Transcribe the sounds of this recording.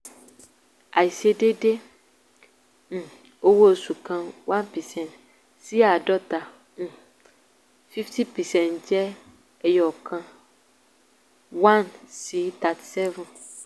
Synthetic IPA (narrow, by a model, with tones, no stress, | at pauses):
a˨i˨se˦ɖe˦ɖe˦ | ŋ̩̃˨ | o˦wo˦˨su˨kã˨wã˦npi˨sɛ̃˨n | si˦a˨ɖɔ˦t̪ã˨ | fi˦ft̪i˦pi˨sɛ̃˨nd͡ʒɛ˦ | e˦jɔ˨kã˦ | wã˦nsi˨˦t̪a˨t̪sɛ˦vũ˦n